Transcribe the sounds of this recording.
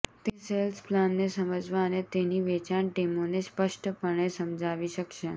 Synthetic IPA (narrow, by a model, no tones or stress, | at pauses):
t̪eselsplanːesəməd͡zʱʋaənet̪eniʋet͡ʃaɳʈemonespəʂʈəpəɳ̃esəmd͡ʒʱaʋiʃəkʃe